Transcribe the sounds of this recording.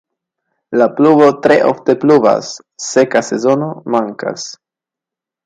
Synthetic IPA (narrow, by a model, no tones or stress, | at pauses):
laplubo̞tɾe̞̰ʔo̞̰fte̞pluva̰sː | e̞kase̞zo̞no̞maŋka̰s